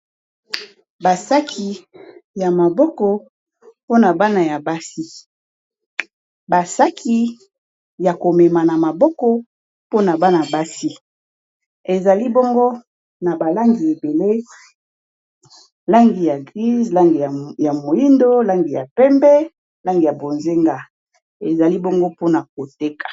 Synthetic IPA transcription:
ba˨sa˦kʰi˨ja˨ma˨bɔ˦kɔ˨ | po˦na˨ba˦na˨ja˨ba˦si˦ | ba˨sa˦kʰi˦ | ja˨ko˨mɛ˨ma˨na˨ma˨bɔ˦kɔ˦ | po˦na˨ba˦na˨ba˦si˦ | e˨za˨li˦bɔ˦ŋɡo˦ | na˨ba˨la˦ŋɡi˨e˨be˨le˦ | la˦ŋɡi˨ja˨ɡʁi˦zla˦ŋɡi˨ja˨mo˨ji˦ndo˦la˦ŋɡi˨ja˨pɛ˦mbɛ˦ | la˦ŋɡi˨ja˨bo˨nze˦ŋɡa˨ | e˨za˨li˦bɔ˦ŋɡo˦po˦na˨k̚o˨te˦kḁ˨

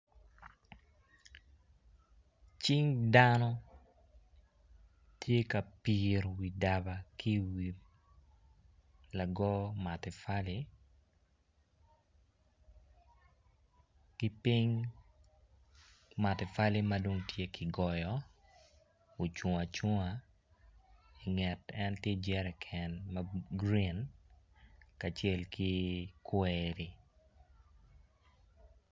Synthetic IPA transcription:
t͡ʃi˦ŋdanɔ˦ | tʰje˦ka˨pi˨ɾwi˨da˨ba˨ki˦wi˨ | la˨ɡɔ˦ma˨tɛ˨fali˦ | kɪ˦pi˦ɲ | ma˨tɛ˨fa˦li˦ma˦do˨ŋtje˦kʰi˨ɡɔ˨jɔ˨ | o˨t͡ʃo˨ŋa˨t͡ʃo˦ŋa˨ | i˨ŋɛ˨tɛ˦ntje˦d͡ʒɛ˦ɾɛ˨kʰɛ˨nmaɡɾi˦n | ka˨t͡ʃe˦lki˦kweɾi˨

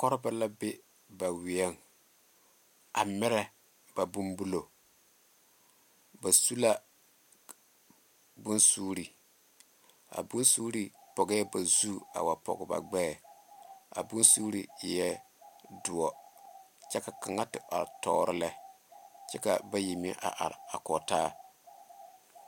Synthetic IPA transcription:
kɔ˦ɾɪ˦ba˨la˦bɪ˦ | ba˨wɪ˨ɛ˦ŋ | a˨mɪ˦ɾɛ˦ | b̥a˨bu˦mbu˦lo˨ | ba˨su˦la˦ | bʊ˦nsuː˦ɾi˨ | a̰˨bu˦nsuː˦ɾi˨pɔ˨ɡɛ˦ba˨zu˦a̰˨wa˨pɔ̰˨ɡɪ˨ba̰˨ɡ͡bɛː˦˨ | a̰˨bu˦nsuː˦ɾi˨jɛ˦ | dʊ˨ɔ˨ | t͡ʃɛ˦ka˨ka˨ŋa˦tɪ˨a̰˨tɔ̰ː˦ɾɪ˦lɛ˦ | t͡ʃɛ˦ka˨ba˦ji˨m˦ɛ˦ʔa̰˨ʔa̰˨ɾa˨kɔ˨taː˦˨

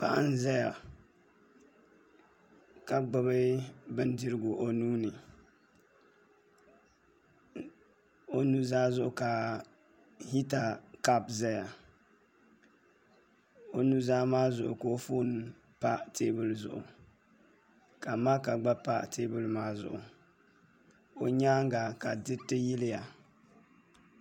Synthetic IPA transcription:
pa̰˦ʔa˦n̩˦zɛ˦ja˨ | ka˨ɡ͡ba˦bɨ˦bɨ˦n˦dɪ˦ɾɨ˦ɡʊ˨ʔo˨nuː˦nɨ˨ | o˦nu˦zaː˦zʊ˦ʔʊ˨ka˨ | hi˦ta˨ka˦pzɛ˦ja˨ | o˨nu˦zaː˦maː˦zʊ̰˨ʔʊ̰˨ko˦fo˦n˦ | pa˦tʰeː˦bɨ˦lzʊ̰˨ʔʊ̰˨ | ka˨ma˦ka˨ɡ͡ba˦pa˦tʰeː˦bɨ˦lmaː˦zʊ̰˨ʔʊ˨ | o˨ɲaː˦ŋ˦ɡa˨ka˨dɪ˦tɪ˦jɪ˦lɪ˦ja˨

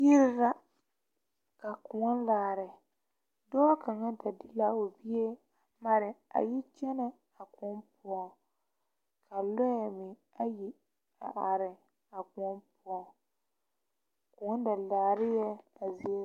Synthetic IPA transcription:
i˦ɾɪ˦ɾa˦ | ka˨kʊ˨ɔ˦nlaː˨ɾɪ˨ | dɔː˦ka˨ŋa˦da˨dɪ˦la˦o˨bi˦e˦˨ | ma˨ɾɪ˨a̰˨ji˦t͡ʃɛ˦nɛ˦ | a˨kɔ˨˦mpʊ˦ɔ˨ | kʰa˨lɔ˦jɛ˨mɪ˨ | a˦ji˦ | a̰˨ʔa˨ɾɪ˨ | a˨kʊ˨ɔ˦mpʊ˦ɔ˨ | kʊ̃˨ɔ˦n˦da˨laː˨ɾɪ˦jɛ˦a˨zi˦e˦

